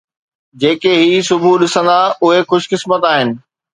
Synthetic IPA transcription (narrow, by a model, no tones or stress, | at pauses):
d͡ʑeːkeɦiːsʊbʱuɗɪsə̃n̆d̪aʊɦexʊʃkɪsmət̪aːɦɪnɪ̆